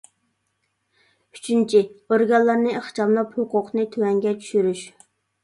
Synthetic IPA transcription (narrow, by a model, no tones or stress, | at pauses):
y̥t͡ʃʰynt͡ʃʰioɾɡɑllˠːɑɾnɨeχt͡ʃɑmlˠɑphoqʊqnɨt̪ʰøwɛŋɡʲɛt͡ʃʰy̥ʃyɾyʃ